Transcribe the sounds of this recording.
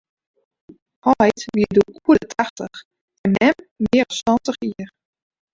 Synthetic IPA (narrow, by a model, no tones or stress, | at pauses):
hɔjtʋiəduʔuədətʰaxtəx | ɛnɛmʋɪəɾɔswɔntəxiər